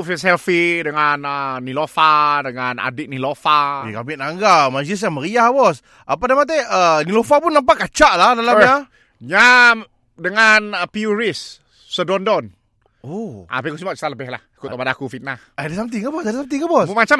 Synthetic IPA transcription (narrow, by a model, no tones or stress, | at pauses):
fisɛlfidəŋanənilofadəŋana̰dɪʔ̚nilofaikabɪʔ̪̚naŋɡamad͡ʒɪs̬ɲaməɾiahbɔs | ʔəpadamat̪̬ɛənilofapʊnːampaʔkat͡ʃaʔlahdalama | ɲa | dəŋanəpiuɾisː | ədɔndɔn | oʔa̰pikusimbaʔt͡ʃi̥t̪aləbɛɦlahikuʔt̪abadakufit̪̚nahadasamt̪̬iŋabɔsadasamt̪iŋabɔsmat͡ʃa